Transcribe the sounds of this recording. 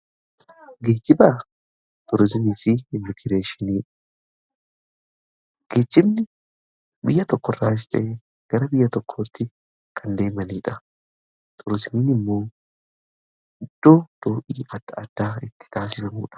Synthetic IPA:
ɡeːd͡ʒːɪbaː | t̪ʼʊɾɪzmiːfɪɪmːɪkɪɾe̞ːʃɪniːᶑɐ | ɡ̥eːd͡ʒɪbnɪ | bɪjːɐt̪ɔkːɔrːaːɪsᶑeː | ɡ̥ɐɾɐbɪjːɐt̪ɔkʰːo̞ːt̪ːɪ | kʰɐnd̪e̞ːmɐniːᶑɐ | t̪ʼʊɾɪzmiːnɪmːo̞ː | ɪd̪̥ːoːd̪̥o̞ːʔiːɐɐd̪̥ːaːɪt̪ːɪ̥t̪ʰaːsɪsɐmuːᶑɐ̥

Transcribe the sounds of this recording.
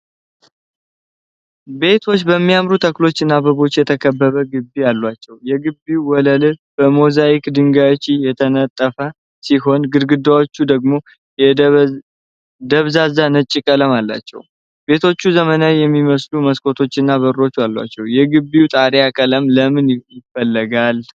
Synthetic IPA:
be̞t̪ʰo̞t͡ʃːbəmːijamɾut̪ʰəklo̞t͡ʃːɨnːabəβo̞t͡ʃːjɛt̪ʰəkʰəbːəβəɡɨbːijalːwat͡ʃːɛwjɛɡɨbiuwɔləlɨb̥əmozajikd̪ɨŋɡajot͡ʃːijɛt̪ʰənət̪ʼːəfə | siɦo̞nɡɨɾɡɨd̪awot͡ʃːud̪əɡmo̞ | d̪əβzazanət͡ʃʼːikʼələmalːa̰t͡ʃːɛ̰w | be̞t̪ʰo̞t͡ʃːuzəmənajɛmːiməsluməskʼo̞t̪ʰo̞t͡ʃːɪnːaβəɾo̞t͡ʃːalːa̰t͡ʃːɛwjɛɡɨbːiut̪ʼaɾjakʼələmləmɨnjɪfːəlːəɡal

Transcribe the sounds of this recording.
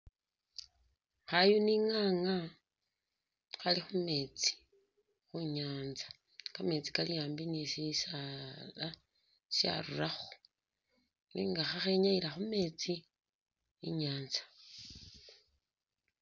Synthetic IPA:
xajuniŋaːŋa | xalixume̞ːt͡si̥ | xuɲaːnzḁ | kame̞t͡si̥kalijaːmbinisisala | ʃja̰ɾuraxo̥ | niːŋɡaxaxeɲailaxume̞ːt͡siː | ɲaːnzḁ

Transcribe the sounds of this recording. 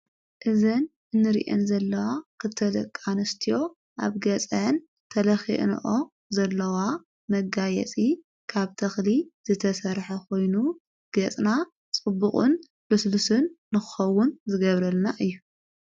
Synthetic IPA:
ʔɨzɐnʔɨnːɨɾḭʔḛnzɐlːɐwakʰɨt̪ʰːɐlɐ̰kʼːanɨst̪ʰijo̞ | ʔa̰βɡɐt͡sʼɐn | t̪ʰɐlɐxḭʔn̰ʔo | zɐlːɐwa | mɐɡajɛ̰t͡sʼi | kʰaβt̪ʰɐxliz̥ɨt̪ʰɐsɐɾħɐkʰo̞jnu | ɡ̥ɐt͡sʼna | t͡sʼɨbuχʼṵn | bɨslusɨnːɨxɨxɐwʊnzɨɡɐβɾɐlnaʔɨjːu

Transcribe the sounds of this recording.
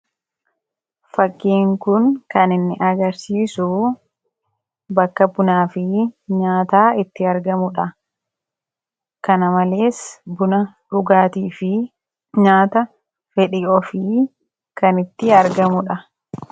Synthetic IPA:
fɐkːiːŋkʊnkɐnɪnːɪʔɐɡɐɾsiːsʊ | bɐkːɐbʊnaːfɪɲaːt̪aːɪt̪ːɪɐɾɡɐmʊᶑɐ | kɐnɐmɐle̞ːsbʊnɐᶑʊɡaːt̪iːfɪ | ɲaːt̪ɐ | fɛᶑɪʔɔfɪ | kɐnɪt̪ːɪɐɾɡɐmʊᶑɐ

